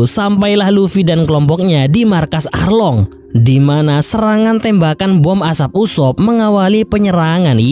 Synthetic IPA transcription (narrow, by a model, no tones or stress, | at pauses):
sampajlahlufidankəlɔmpɔk̚ɲadimarkasa̰rlɔŋ | dimanasəɾaŋant̪ɛmbakanbɔmasap̚usɔp̚məŋawalipəɲəɾaŋan